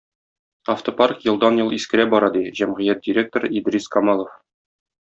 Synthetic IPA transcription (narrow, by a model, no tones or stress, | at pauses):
ɐft̪oparkjɤ̆lˠd̪ɑnjɤlˠiskɘ̆ɾæbɒɾɑd̪iʑæmʁɘ̆jæt̪̚dʲɪɾʲek̚t̪oɾid̪ɾʲiskɒmɑlˠŏf